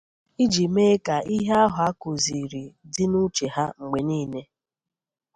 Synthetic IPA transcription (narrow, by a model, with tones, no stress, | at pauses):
i˦d͡ʒi˨me˦ka˨i˦ɦe˦a˦ɦʊ˨a˦ko˨zi˨ɾi˨dɪ˦nu˦t͡ʃe˨ɦa˦ŋ͡m̩˨ɡ͡be˨niː˦ne˦